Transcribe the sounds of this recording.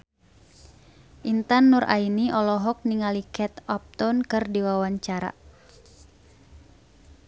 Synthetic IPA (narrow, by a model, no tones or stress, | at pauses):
ʔint̪anːurʔa̰iniʔɔlɔɦɔk̚niŋalikɛt̪ɔp̚t̪ɔnkɨrdiwawaɲt͡ʃaɾa̰